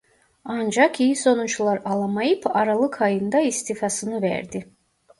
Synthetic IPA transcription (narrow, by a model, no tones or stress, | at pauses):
and͡ʒɑkʰijiso̞nut͡ʃlˠaɾalˠmajɯpʰɑɾalˠɯkʰajɯnd̪aist̪ʰifɑsɯnɯvæ̰ɾd̪i